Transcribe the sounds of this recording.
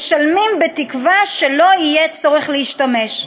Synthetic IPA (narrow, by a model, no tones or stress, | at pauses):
ʃalmimbetikvaʃe̞lo̞ijet͡soʁiχleiʃtame̞ʃ